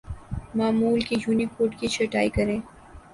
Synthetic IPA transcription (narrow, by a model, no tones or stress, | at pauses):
maːmuːlkijuːnikoːɖkit͡ʃʰɐʈaːikɐɾẽː